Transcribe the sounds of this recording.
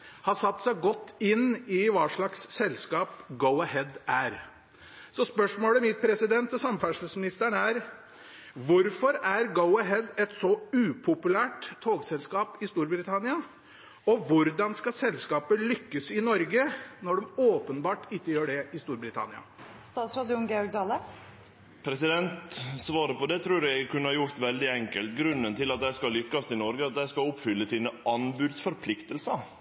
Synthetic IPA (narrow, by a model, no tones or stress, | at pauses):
hɑsɑt̪ːsæɪɡɔt̪ːɪnːɪʋɑːʂɭɑksːɛlskɑːpɡəʊɑhɛd̪ʔæɾ | sɔspœʂmoːləmɪt̪̚pʰɾɛsɪd̪ɛnt̪ɔsɑmfæʂl̩smɪnɪst̪æɳæɾ | ʋʊɾfɔɾæɾɡəʊɑɦɛd̪ɛt̪sɔʉːpʰʊpʉlæːʈt̪ʰːoːɡsɛlskɑːpɪst̪uːɾbɾɪt̪ʰɑnɪɑ | ɔʋʊɾd̪ɑnskɑsɛlskɑːpəlʏkːəsɪnɔɾɡənɔɖɛmoːpənbɑːʈɪkːəjøːɖɛɪst̪uːɾbɾɪt̪ʰɑ̰nɪɑ̰st̪ɑːt̪sɾɑːd̪ɪʊnɡeɔɾɡ̚d̪ɑːlə | pʰɾɛsɪd̪ɛnt̪sʋɑːɾəpɔd̪ɛt̪ʰɾʉːɾæɡkʰʉnːəhɑːjʊɾt̪ʋɛld̪ɪɛŋkəlt̪ɡɾʉnːənt̪ʰɪlɑt̪̚d̪æɪskɑlʏkːɑsɪnɔɾɡəɑt̪̚d̪æɪskɑʊpfʏlːəsiːnəʔɑnbʉːd̪sfɔɾpʰlɪkt̪əlsəɾ